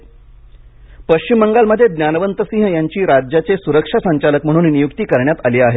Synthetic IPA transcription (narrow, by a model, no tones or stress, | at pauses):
pəɕt͡ɕimːəŋɡalməd̪ʱːjed̪njanəʋənt̪əsĩɦjaɲt͡ɕiːɾad͡ʑjat͡sesuɾəkʂasəɲt͡ɕalək̚m̤əɽ̃uːnnijukt̪iːkəɾɳjat̪aliːaɦe